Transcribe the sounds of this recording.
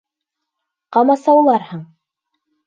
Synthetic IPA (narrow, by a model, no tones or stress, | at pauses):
qɑmɑsɑwlˠɑɾhɤɴ